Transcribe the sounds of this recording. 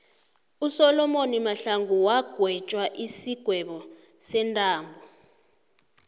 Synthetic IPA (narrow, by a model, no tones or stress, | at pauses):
usɔlɔmonimaɬaŋʱuwaɡ̥ʱwɛt͡ʃʼwaʔisiɡ̥ʱwɛɓɔ | sɛntʼaːmbʱɔ